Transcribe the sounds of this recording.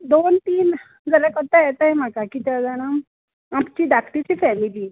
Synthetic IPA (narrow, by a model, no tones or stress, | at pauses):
d̪ont̪iːn | d͡zaljakəɾt̪ajɛt̪ajem̤akakiːt̪ad͡zaɽ̃am | apt͡ɕiːd̪akʈit͡ɕiːfɛmiliː